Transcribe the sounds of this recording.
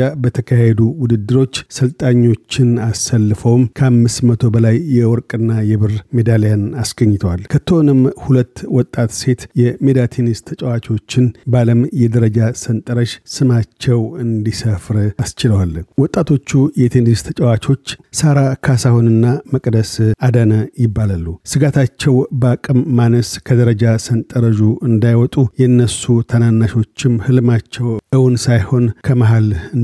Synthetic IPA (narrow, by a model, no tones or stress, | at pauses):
abət̪ʰəkʰahed̪uwʊd̪ɨd̪ːɨɾo̞t͡ʃːsəlt̪ʼaɲːo̞t͡ʃːɪnasːəlːɨfəwmkʰəamːɨsmət̪ʰo̞bəlajːɛwɔɾkʼɨnːajɛβɨrme̞d̪alejanasɡəɲːɪt̪ʰəwalkʰət̪ʰːəonɨmhulət̪ːwɔt̪ʼːat̪se̞t̪jɛme̞d̪at̪ʰenist̪ʰət͡ʃʼɛwat͡ʃo̞t͡ʃːɪnbaləmjɛd̪əɾəd͡ʒasənt̪ʼəɾəʃsɨmat͡ʃːɛwɨnd̪isəfɾast͡ʃɪləwalwɔt̪ʼːat̪ʰo̞t͡ʃːujɛt̪ʰenist̪ʰət͡ʃʼəwat͡ʃo̞t͡ʃːsaɾakʰasahonɨnːaməkʼd̪əsad̪ənəjɪbːalalːusɨɡat̪ʰat͡ʃːɛwbəakʼɨmːanəskʰəd̪əɾəd͡ʒasənt̪ʼəɾəʒuʔɨnd̪ajwɔt̪ʼujɛɨnːəsut̪ʰənanːaʃo̞t͡ʃːɪmhɨlɨmat͡ʃːɛwʔɨwunsajho̞nkʰəməɦalɨ